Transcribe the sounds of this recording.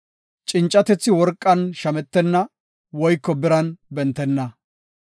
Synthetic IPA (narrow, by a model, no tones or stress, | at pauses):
t͡ʃʼɪnt͡ʃʼːɐt̪ɛt͡sːɪwɔɾkʼːɐnʃɐmɛt̪ːɛnːɐ | wɔjkːɔbɪɾɐnbɛnt̪ːɛnːɐ